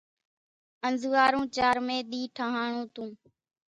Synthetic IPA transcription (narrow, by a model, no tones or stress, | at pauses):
ənzʱuːaːɾũːt͡ʃaːɾmẽːɗ̪iːʈʰaːɦaːɳũːt̪ũː